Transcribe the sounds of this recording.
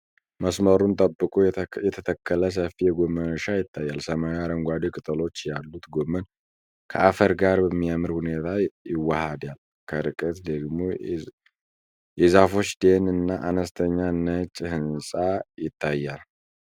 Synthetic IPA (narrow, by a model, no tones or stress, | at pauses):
məsməɾunt̪ʼəbːɨkʼujɛt̪ʰət̪ʰəkːələs̬əfijɛɡo̞mːənəʃajɪt̪ʰːajːalsəmaaɾəŋɡʷad̪ikʼɨt̪ʼəlo̞t͡ʃːjalːut̪ɡomːən | kʰə̰ʔafəɾɡaɾbəmːijamɨɾhune̞t̪ʰajɪwːahad̪jal | kʰəɾɨkʼət̪d̪əɡmo | jɛzafo̞t͡ʃːd̪e̞nɨnːaʔanəst̪ʰəɲːanːət͡ʃʼːhɨnsʼajɪt̪ʰːajːal